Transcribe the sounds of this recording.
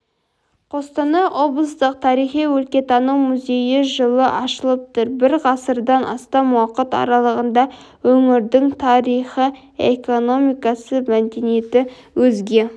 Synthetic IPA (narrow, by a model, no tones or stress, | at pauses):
qʰo̞st̪ɑnɑʔo̞blˠəst̪əq̚t̪ʰɑɾijχiwɵlkʲe̞t̪ɑnəwmuzʲe̞jɪʒəlˠəʔɑʃəlˠəp̚t̪ʊɾbɪɾʁɑsəɾd̪ɑnʔɑ̰st̪ɑmwɑqət̪ɑ̰ɾɑlˠəʁənd̪ɑ | wɵŋɪɾd̪ɪŋt̪ʰɑɾijχə | ḛko̞no̞mijkɑsəmæmd̪e̞ne̞t̪ɪ | wɵzɡʲe̞